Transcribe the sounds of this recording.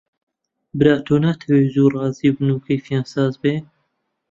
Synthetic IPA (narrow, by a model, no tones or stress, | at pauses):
bɨɾaːt̪ʰoːnat̪ʰɛweːzuːrɑːziːbɨnuːkʰefjɑːnsɑːzbeː